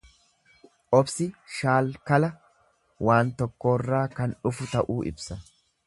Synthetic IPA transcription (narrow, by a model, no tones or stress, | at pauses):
ʔɔbsɪʃaːlkɐlɐ | wʔaːnt̪ɔkːo̞ːrːaːkɐnʊfʊt̪ɐʔuːʔɪ̰bsɐ